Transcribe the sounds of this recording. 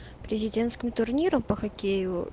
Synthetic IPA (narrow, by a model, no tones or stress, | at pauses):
pɾʲɪzʲɪdʲe̞nt̪skʲɪmt̪ʊrnʲiɾəmpəxɐkʲejʊ